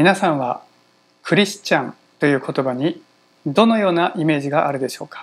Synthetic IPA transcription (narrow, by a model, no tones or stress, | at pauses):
mʲinasãɰ̃βa | kʰɯ̟ɾʲisɨ̥t͡ɕãn | t̪o̞jɯ̟ːkʰo̞t̪o̞baɲ̟i | d̪o̞no̞jo̞ːnaʔime̞ːʑiɡaʔaɾɯ̟d̪e̞ɕo̞ːkḁ